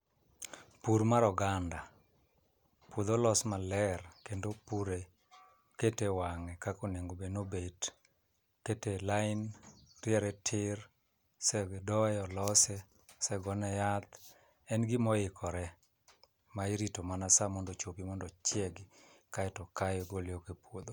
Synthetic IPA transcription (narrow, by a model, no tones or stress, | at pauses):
puɾmaɾɔɡanda | pud̪olɔsmalɛrkendopuɾe | ketewaŋɛkakoneŋɡobenobed | ketelaɪnrjɛɾɛtʰɪr | sɛɡdɔjɛɔlɔsɛ | sɛɡɔnɛjat̪ | ɛnɡɪmɔɪkʰɔɾɛ | maiɾitomanasamɔndɔt͡ʃopimɔndɔt͡ʃjɛɡɪkaɛtɔkajɔɡolɪjɔkepwod̪o